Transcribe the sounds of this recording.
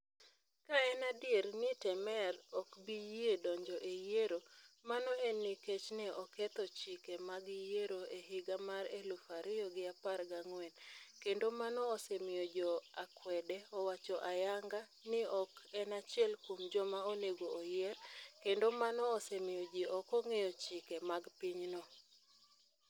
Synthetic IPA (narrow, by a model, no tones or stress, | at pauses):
kaɛnadjeɾnɪtɛmɛɾɔkbijiedɔɲd͡ʒɔʔejeɾomanɔenɪket͡ʃnɛʔɔkɛt̪ɔt͡ʃɪkemaɡɪjeɾoeɦɪɡamaɾelufaɾɪjɔɡɪaparɡaŋwɛnkendomanɔːsɛmɪjɔd͡ʒɔakwɛdɛɔwat͡ʃɔʔajaŋɡa | nɪɔkɛnat͡ʃɪɛlkomd͡ʒɔmaoneɡoːjɛɾkendomanɔːsɛmɪjɔd͡ʒɪʔɔkɔŋejɔt͡ʃɪkemaɡpiɲnɔ